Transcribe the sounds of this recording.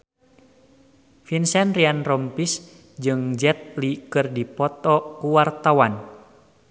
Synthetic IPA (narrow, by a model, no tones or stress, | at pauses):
finsɛnrianrɔmpis | d͡ʒɨŋd͡ʒɛt̪̚likɨrdipɔt̪ɔkuwart̪awan